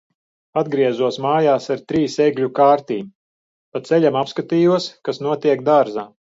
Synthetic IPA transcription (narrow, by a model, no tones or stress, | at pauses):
ad̪ɡɾiɛzuɔsmaːjaːsaɾt̪ɾiːseɡlʲukaːɾt̪iːm | pat̪sɛʎʲamapskat̪iːjuɔskasnuɔt̪iɛk̚d̪aɾzaː